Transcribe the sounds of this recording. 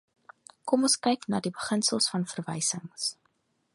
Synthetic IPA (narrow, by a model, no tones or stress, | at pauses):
kɔmɔnskɛjknɑ̰ːdibəχənsəlˠsfɐnfərvɛjsəŋs